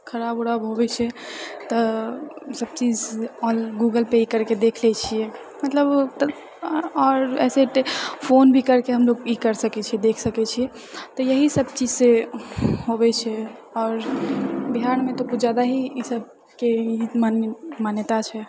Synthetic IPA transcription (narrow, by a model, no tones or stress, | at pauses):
kʰəɾaboɽabɦobɛt͡ʃʰɛt̪ɔ | səb̚t͡ʃid͡ʒɔlɡuɡəlpeikəɾked̪ekʰlɛt͡ʃʰijɛ | mət̪ləbt̪ | ɔːɾɛ̰ːseʈpʰonbʱikəɾkeɦəmloɡikəɾsəkɛt͡ʃʰiɛd̪ekʰsəkɛt͡ʃʰiɛ | t̪ɔjəɦisəb̚t͡ʃid͡ʒse | ɦobɛt͡ʃʰɛ | ɔːɾbiɦanmet̪okud͡ʒjad̪aɦiisəb̚ | keimanmanjət̪at͡ʃʰɛ